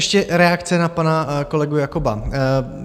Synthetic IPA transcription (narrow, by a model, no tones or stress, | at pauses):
ʃcɛɾɛakt͡sɛnapanako̞lɛɡujakoba